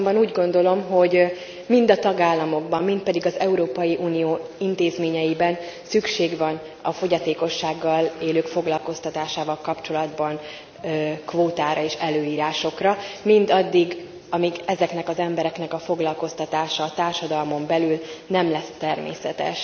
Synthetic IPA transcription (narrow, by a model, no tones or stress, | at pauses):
ombɒnuːɟɡo̞nd̪o̞lo̞mɦo̞ɟ | mind̪ɒt̪ɒɡaːlːɒmo̞ɡbɒmːint̪̚pɛd̪iɡɒzɛuɾoːpɒjiʔuːnijoːint̪eːzmeːɲɛjibɛnsykʃeːɡvɒn | ɒfo̞ɟɒt̪eːko̞ʃːaːɡːɒleːløːkfo̞ɡlɒlko̞st̪ɒt̪aːʃaːvɒlkɒpt͡ʃo̞lɒd̪bɒn | kvoːt̪aːɾɒeːʃɛløːiːɾaːʃo̞krɒmind̪ɒd̪ːiɡ | ɒmiɡɛzɛknɛkɒzɛmbɛɾɛknɛkɒfo̞ɡlɒlko̞st̪ɒt̪aːʃɒːt̪aːrʃɒd̪ɒlmo̞mbɛlylnɛmlɛst̪ːɛrmḛːsɛt̪ɛ̰ʃ